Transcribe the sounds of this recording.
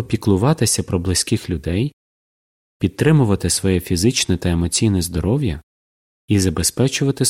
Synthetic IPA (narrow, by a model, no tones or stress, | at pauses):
pʲiklˠʊʋɑt̪ɪsʲɐpɾɔblˠɪsʲkɪxlʲʊd̪ɛj | pʲid̪̚t̪ɾɪmʊʋɐt̪ɪsʋɔjɛfʲizɪt͡ʃnɛt̪ɐemɔt͡sʲijnɛzd̪ɔɾɔwʲjɐ | izɐbe̞spɛt͡ʃʊʋɐt̪ɪ